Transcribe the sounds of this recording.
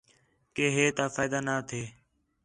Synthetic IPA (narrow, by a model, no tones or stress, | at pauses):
keːɦeːt̪aːfaːjd̪aːnaːt̪ʰeː